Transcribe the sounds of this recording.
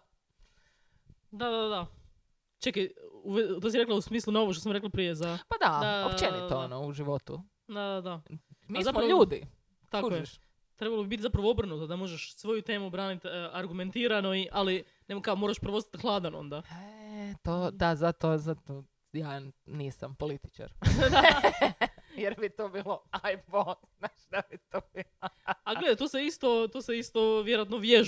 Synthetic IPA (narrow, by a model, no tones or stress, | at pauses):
d̪ad̪ad̪a | t͡ʃekauʋet̪osiɾe̞klausmiːslˠunooʋoʃt̪os̬amɾeklˠapɾije̞zapad̪ad̪aopt͡ʃenioonouʒiʋot̪ṵ | d̪ad̪ad̪amizamoʎuːd̪ḭ | t̪akoje | t̪ɾe̞balˠobibit̪zapɾaʋoo̞bɾ̩nut̪od̪amo̞ʒeʃsʋo̞jut̪e̞ːmubɾaːnit̪aɾɡument̪iːɾanoiʔali | nemkaomoɾaʃpɾʋoosat̪xlˠaːd̪ano̰nd̪aet̪od̪azat̪ozat̪o | jaːniːsampolit̪i̥t͡ʃa̰ɾd̪a | jeɾbit̪oːbiːloajfo | naːʃd̪abit̪obiloaɡled̪at̪oseist̪o̞t̪oːseist̪o̞ʋje̞ɾoat̪noʋjeʒ